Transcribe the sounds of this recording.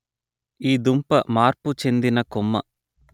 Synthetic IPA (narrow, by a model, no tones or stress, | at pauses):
iːd̪umpɐmaːɾput͡ʃe̞nd̪inɐkɔmːɐ̰